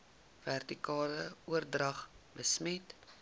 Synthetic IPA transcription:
værtikɑːləuərdrɐχbəsmɛt

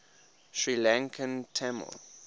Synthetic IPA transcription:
ʃɹilãŋkʰə̃ntʰamə̰l

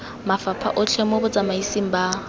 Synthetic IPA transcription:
mafapʰa̰ʔʊt͡ʃʰemɔbʊt͡sʼamaisiŋ̩ba

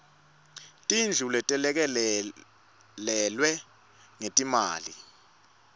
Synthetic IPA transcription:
tʼind͡ɮʱulɛtʼɛlɛk̬ɛ | lɛlwɛ | ŋetʼimaːli

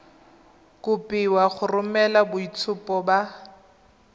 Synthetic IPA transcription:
kʊpʼɪwaχʊrʊmɛlabʊit͡sʰʊpɔba

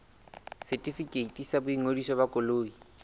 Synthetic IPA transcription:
sɛtʼifikʼeitʼisabʊiŋodisɔbakʼʊloːi

